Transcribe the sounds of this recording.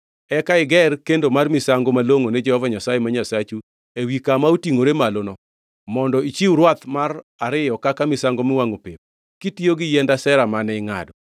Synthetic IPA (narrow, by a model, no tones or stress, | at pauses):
ɛkaɪɡɛrkendomarmɪsaŋɡomaloŋonɛd͡ʒɛhɔvaɲasajemaɲasat͡ʃu | ewikamautiŋoɾemalonɔ | mɔndɔit͡ʃiwɾwat̪maraɾɪjɔkakamɪsaŋɡomɪwaŋopep̚ | kitijoɡɪjɛndasɛɾamanɛɪŋa̰dɔ